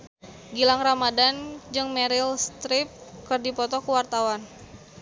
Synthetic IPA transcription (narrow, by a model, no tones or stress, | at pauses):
ɡilaŋramadand͡ʒɨŋmɛɾilst̪ɾip̚kɨrdipɔt̪ɔkuwart̪awan